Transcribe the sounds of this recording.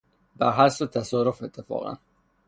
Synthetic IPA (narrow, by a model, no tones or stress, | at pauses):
bæɾɦæsot̪ʰæsɒːɾofet̪ʰːefɒ̰ːɣæ̰n